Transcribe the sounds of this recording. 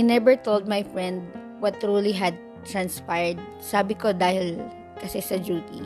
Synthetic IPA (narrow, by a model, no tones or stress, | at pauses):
jnɛbɛɹt̪old̪̚majfɹɛ̃nd̪̚ | wɐt̪ɹuliɦɐd̪̚ | t̪ɹɐ̃nspajɹd̪̚ | saːbɪkod̪aːhɪl | kɐsɛsɐd͡ʒuːt̪ḭ